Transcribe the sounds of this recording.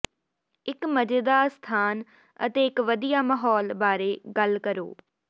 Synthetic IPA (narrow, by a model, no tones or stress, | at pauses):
ɪkməd͡ʒəd̪aːst̪ʰaːn | ə̰t̪eːɪkʋəd̪ijaːməːɦɔːlbaːɾeːɡəlkəɾo̰ː